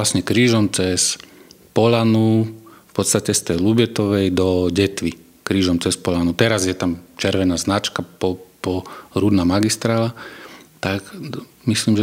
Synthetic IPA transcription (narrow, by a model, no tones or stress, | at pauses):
asɲɛkɾiːʒɔmt͡sɛspɔlanufpɔt̪st̪acɛst̪ɛjlubjɛt̪ɔʋɛjd̪ɔɟɛt̪ʋi | kɾiːʒɔmt͡sɛspɔlanut̪ɛɾazjɛt̪amt͡ʃɛɾʋɛnaznat͡ʃkapɔpɔɾud̪namaɡist̪ɾaːlat̪ak | misliːmʒɛ